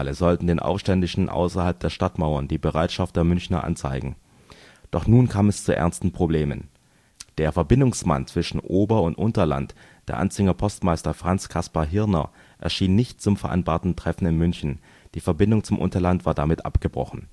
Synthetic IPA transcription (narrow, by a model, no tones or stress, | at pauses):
ləzɔltn̩deːnʔa̰ʊfʃtɛndɪʃn̩ʔa̰ʊsɐhalp̚d̥eːɐʃtatmaʊɐnd̥iːbəʁaɪtʃaftd̥eːɐmʏnçnɐ̰ʔa̰nt͡sa̰ɪɡŋ̩ | d̥ɔχnuːnkʰaːmɛst͡suʔɛ̰ɐnstn̩pʁ̥obleːmə̰n | d̥eːɐfɛɐbɪndʊŋsma̰nt͡sv̥ɪʃn̩ʔoːbɐʊntʔʊntɐla̰nt | d̥eːɐʔa̰nt͡sɪŋɐpʰɔstmaɪstɐfʁ̥ant͡skʰaspaɦɪɐnɐ̰ | ʔɛ̰ɐʃiːnːɪçtt͡sʊmfɛɐʔa̰ɪnbaɐtn̩tʁ̥ɛfn̩ɪnmʏnçn̩ | d̥iːfɛɐbɪndʊŋt͡sʊmʔʊ̰ntɐlantv̥aːdamɪtʔa̰pɡ̥əbʁɔ̰χn̩